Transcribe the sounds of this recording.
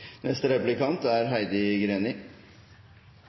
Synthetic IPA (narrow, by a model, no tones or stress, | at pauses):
nɛst̪əɾɛplɪkɑnt̪æɾɦæɪd̪ɪɡɾeːnɪ